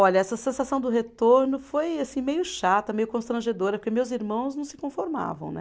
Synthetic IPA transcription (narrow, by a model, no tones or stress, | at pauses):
ɔʎɐɛsɐsẽsasɐ̃w̃d̪ʊɦet̪oɾnʊfojasĩmejʊʃat̪ɐmejʊkõst̪ɾɐ̃ʒed̪oɾɐpoɾkʲemewziɾmɐ̃w̃znɐ̃w̃sɪ̥kõfoɾma̰vɐ̰̃w̃nɛ̰